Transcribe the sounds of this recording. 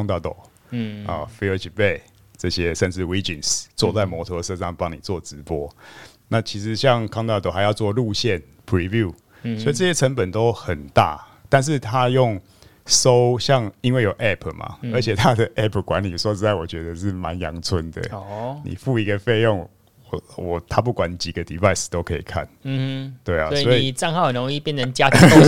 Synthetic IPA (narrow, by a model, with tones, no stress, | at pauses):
ŋt̪ɑ˥˧ʊt̪o̰˨˩ʊ | ə̰˨˩fi˧˥ə˧t͡ɕʰi˨˩pe˥˧ɪ | t͡sɤ˥˩ɕjɛ˦ʂə˥˧nʂɻ̩˥˩wi˥t͡ɕi˨nst͡swɔ˥˧t͡sa˥˩ɪmwɔ˧˥t̪ʰɔ˧˥sɤ˥˧ʂɑ˥˩ŋpɑ˦ŋni˨˩t͡swɔ˥˩ʈ͡ʂɻ̩˧˦pwɔ˦˥ | na˥˨t͡ɕʰi˧˥ʂ̬ɻ̩˧˦ɕjɑ˥˧ŋkʰɑ˥˧ŋt̪ɑ˥˩t̪o˨˩xa˧jɑ˥˧ʊt͡swɔ˥˧lu˥˧ɕjɛ˥˨n | pʰɹi˧˥vju˥˩ | swɔ˧˥i˨˩t͡sɤ˥˧ɕjɛ˥t͡sʰə˧˦˥ŋpə˨˩nt̪o˥ʊxə˨˩nt̪a̰˥˩˨ | t̪a˥˧nʂ̬ɻ̩˥˩t̪ʰa˦jʊ˥˩ŋ | so˦ʊɕjɑ˥˧ŋi˦˥nwe˥˩ɪjo˨˩ʊʔɛ˥˩pʰma̰˩ə˧˦t͡ɕʰjɛ˨˩t̪ʰa˦d̪ə˨ʔɛ˥˩pʰkwa˧˦nli˨˩swɔ˧˦t͡sɻ̩˥t̪a˥˩wɔ˨˩t͡ɕɥɛ˧˥d̪ə˨ʂ̬ɻ̩˥˩ma̰˧˦njɑ̰˧˦ŋt͡sʰwə˧˦nd̪ə̰˨nḭ˨˩fu˥˧i˧˦ɡə˨fe˥˧ɪjɔ˥˩ŋ | wɔ˨˩wɔ˨˩t̪ʰa˦p̬u˥˩kwa˨˦n˨˩t͡ɕi˨˩ɡə˦d̪ḭ˨˩fa˥˧ɪs̩˨˩t̪o˥ʊkʰɤ˧ḭ˨˩kʰa̰˥˩n̩˧t̪we˥˩ɪɔ̰˨˩˥swɔ˦˥i˨˩t͡sɑ˥˧ŋha˥˧ə˨˩nɔ˧˦ŋi˥˨pjɛ˥˨nə˧˦ŋt͡ɕja˦